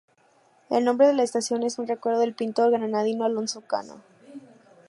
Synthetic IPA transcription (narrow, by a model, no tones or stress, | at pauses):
e̞̰lnõ̞mbɾe̞ðe̞laest̪asjo̞ne̞sunre̞kwe̞ɾðoðelpint̪o̞ɾɣananaðinoalo̞nso̞ka̰no̰